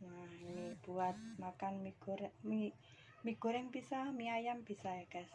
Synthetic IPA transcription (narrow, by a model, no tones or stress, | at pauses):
nahinib̥uat̪̚makanmiɡ̥uɾmi | miɡ̥ṳɾɛŋbisamiajambi̤saekas